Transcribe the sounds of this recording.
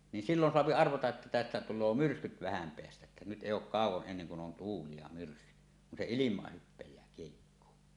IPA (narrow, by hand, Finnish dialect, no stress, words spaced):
ni silːon soɑpi ɑrʋɑtɑʔ ʔĕtːæ tæstæ tulˑoː myrskyt ʋæhæm peæstæ ĕtːæ nyt eˑij oˑuk kɑˑuwˑoʔ ʔenːeŋ kun on tuːli jɑ myrskyt kun se ilimˑɑːh hypːejˑæː kiehikːoː